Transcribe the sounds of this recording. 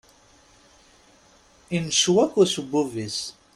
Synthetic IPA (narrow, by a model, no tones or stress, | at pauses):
inʃwækʷːʊsubuvis